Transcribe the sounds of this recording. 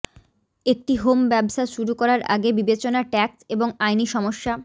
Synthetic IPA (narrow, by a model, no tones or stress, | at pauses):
ek̚ʈiɦombɛbʃaʃuɾukɔɾaɾʔa̰ɡebibet͡ɕonaʈɛkseboŋajniʃɔmoʃːa